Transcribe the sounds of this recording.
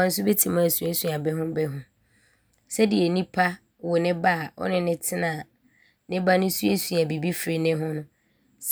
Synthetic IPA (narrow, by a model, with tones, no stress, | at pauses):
ã˨n̩˦sʊ˦be˦tʰi˨mã˦æ˨su˦e˦su˨a˨bɛ˦ɦʊ̃˦bɛ˦ɦʊ̃˨˦ | sɛ˦dɪ˨ɛ˨nĩ˦pʰa˦ | wɔ˨nɪ̃˦ba˦˨ɔ̰˦nɪ̃˦nɪ̃˦tʰɪ˦nã˨ | nɪ̃˦ba˦nʊ̃˦su˦e˦su˨a˨bi˨bi˦fɾɪ˨nɪ̃˦ɦʊ̃˦nʊ̃˦ | s